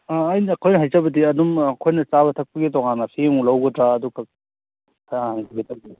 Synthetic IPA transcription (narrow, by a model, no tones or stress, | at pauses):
aɐjnɐːkʰojnɐɦajzabɐdiɐdumːkʰojnɐt͡ʃaβɐtʰɐk̚pɐɡitɔŋanɐpʰemulawɡɐtɾaɐduɡɐ | aŋbiɡitʰɐɡi